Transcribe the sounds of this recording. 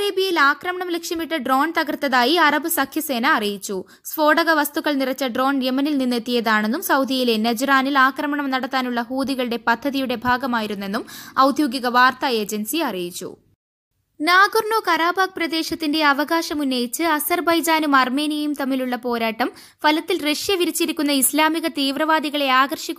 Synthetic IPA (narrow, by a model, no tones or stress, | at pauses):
ɐreːbiɐjilaːkrɐmɐɳɐmlekʂɐmiʈːɨɖro̞ːnt̪ɐɣɐrt̪ːɐðaːjiɐrɐbɨsɐkʰjɐse̞ːnɐːrijit͡ɕːu | sʋo̞ːɽɐɣɐʋɐst̪uɣɐɭnirɐt͡ɕːɐɖro̞ːnjemɐnilninːe̞t̪ːijɐðaːɳe̞nːumsɐwd̪ʱijilenɐd͡ʑraːnilaːkrɐmɐɳɐmnɐɽɐt̪ːaːnuɭːɐɦuːd̪iɣɐɭuɽe̞pɐd̪ʱːɐðijuɽe̞bʱaːɡɐmaːjiɾunːe̞nːumɐwd̪ʱjoːɡiɣɐʋaːrt̪ɐe̞ːd͡ʑensiɐrijit͡ɕːṵ | naːɡurɳo̞ːkɐɾaːbaːɡ̚prɐd̪e̞ːʂɐt̪ːinde̞ɐʋɐɣaːʂɐmunːɐjit͡ɕːɨɐsɐrbɐjd͡ʑaːnumɐrme̞ːnijɐjumt̪ɐmːiluɭːɐpo̞ːɾaːʈːɐm | fɐlɐt̪ːilre̞ʂjɐʋiɾit͡ɕːiɾikʲːunːɐislaːmiɣɐt̪iːʋrɐʋaːd̪iɣɐɭe̞aːɡɐrʂikʲː